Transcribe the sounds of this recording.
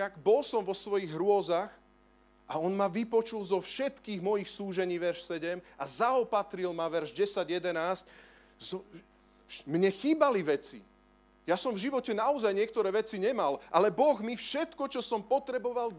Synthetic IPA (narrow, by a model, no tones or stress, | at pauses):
aɡbɔlsɔmʋɔsʋɔjiɣɦɾʊɔzax | ʔaɔnmaʋipɔt͡ʃulzɔfʃɛt̪kiːɣmɔjixsuːʒɛɲiːʋɛɾʃsɛɟɛmazaɔpat̪ɾilmaʋɛɾʒɟɛsaɟjɛd̪ɛnaːsc | zɔ | mɲɛxiːbaliʋɛt͡sḭ | jasɔmvʒiʋɔcɛnaɔzajɲɪɛkt̪ɔɾɛːʋɛt͡siɲɛmalʔalɛbɔɣmifʃɛt̪kɔt͡ʃɔsɔmpɔt̪ɾɛbɔʋal